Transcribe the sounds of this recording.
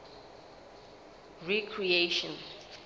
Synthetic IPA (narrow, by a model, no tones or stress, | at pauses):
ɹikʰɹieʃɔ̃n